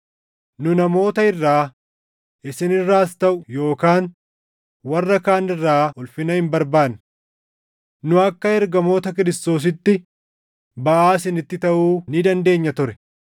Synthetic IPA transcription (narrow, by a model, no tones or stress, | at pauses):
nʊnɐmo̞ːt̪ɐɪrːaː | ʔɪsɪnɪrːaːst̪ɐʔʊjo̞ːkaːn | wɐrːɐkaːnɪrːaːʊlfɪnɐhɪmbɐɾbaːnʊ̥ | nʊɐkːɐɛɾɡɐmo̞ːt̪ɐkɪɾɪst̪o̞ːs̬ɪt̪ːɪ | bɐʔaːs̬ɪnɪt̪ːɪt̪ɐʔuːnɪd̪ɐnd̪e̞ːɲːɐt̪ʊɾɛ̥